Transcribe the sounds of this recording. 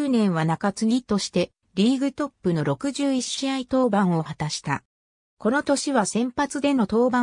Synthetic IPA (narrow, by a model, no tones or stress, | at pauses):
nẽ̞ɰ̃βanakat͡sɨɲʲit̪o̞ɕi̥t̪e̞ | ɾʲiːɡɯ̟t̪o̞pːɯ̟no̞ɾo̞kɯ̟ʑɨːiiait̪o̞ːbãɰ̃o̞hat̪aɕi̥t̪a̰ | ko̞no̞t̪o̞ɕiβasẽ̞mpat͡sɨd̪e̞no̞t̪o̞ːbã